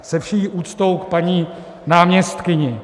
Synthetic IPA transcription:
sɛfʃijiʔuːt̪t͡st̪o̞wk̚paɲiː | naːmɲɛst̪kɪɲɪ

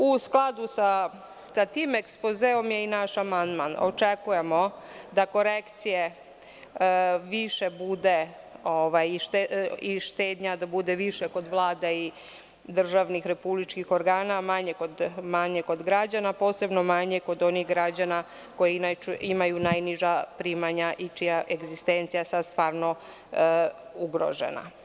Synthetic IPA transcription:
usklˠad̪usa | sat̪iːmekspozeo̞mjeinaʃamand̪mano̰t͡ʃekuje̞mo̞ | d̪ako̞ɾekt̪sije̞ | ʋiʃe̞bud̪e̞ | oʋajiʃt̪eiʃt̪eːd̪ɲad̪abud̪e̞ʋiʃeko̞d̪ʋlˠaːd̪ei | d̪r̩ʒaʋnixɾe̞publit͡ʃkixo̞ɾɡaːnamaɲeko̞d̪maɲeko̞d̪ɡɾad͡ʑanapo̞ːse̞bno̞maɲe̞ko̞d̪o̞nixɡɾad͡ʑana | ko̞jiinat͡ʃuʔimajunajniʒapɾimaɲaʔit͡ʃijaʔe̞ɡzist̪e̞nt̪sijasad̪st̪ʋaːɾno̞ | uɡɾo̞̰ʒḛna̰

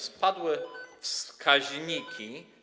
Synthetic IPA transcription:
spad̪wɘfskʰaʑɲikʲʰi

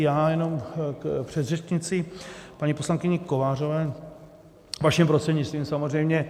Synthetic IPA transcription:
jaːjɛno̞mkpr̝̥ɛd̪rɛt͡ʃɲɪt͡sɪpaɲiposlaŋkɪɲɛko̞vaːr̝ovɛː | vaʃɪmpɾost̪r̥ɛdɲɪt͡st̪viːmsamozr̝ɛjmɲɛ

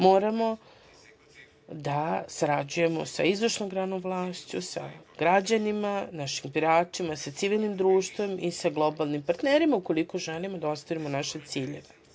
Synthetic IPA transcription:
mo̞ːɾamo̞ | d̪asaɾad͡ʑuje̞mo̞̰sa̰izvoʃnomɡɾanomʋlˠaːst͡ɕṵsa̰ɡ̥ɾad͡ʑanimanaʃimbiɾaːt͡ʃimasat̪siʋilˠnimd̪ɾuːʃt̪ʋe̞misaɡlˠo̞balˠnimpaɾt̪neːɾimaukoliko̞ʒelimod̪ao̞st̪oɾimo̞naʃe̞t̪siːʎe̞ʋe

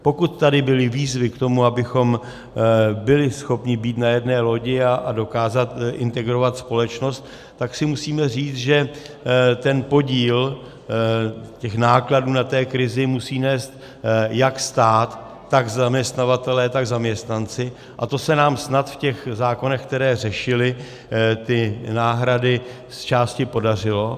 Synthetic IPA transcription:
po̞kut̪ːadɪbɪlɪviːzvɪkt̪o̞muabɪxo̞m | bɪlɪsxo̞pɲɪbiːt̪najɛdnɛːlo̞ɟɪaado̞kaːzat̪ʔɪnt̪ɛɡɾo̞vat̪spo̞lɛt͡ʃno̞st̪ː | aksɪmusiːmɛriːt͡sʒɛ | t̪ɛnpo̞ɟiːl | cɛxnaːkladuːnat̪ɛːkɾɪzɪmusiːnɛːst̪ | jakst̪aːt̪ː | aɡzamɲɛst̪navat̪ɛlɛːt̪aɡzamɲɛst̪nant͡sɪ | ʔat̪o̞sɛnaːmsnat̪fcɛxzaːko̞nɛxk̚t̪ɛɾɛːr̝ɛʃɪlɪ | t̪ɪnaːɦɾadɪ | st͡ʃaːscɪpo̞dar̝ɪlo̞

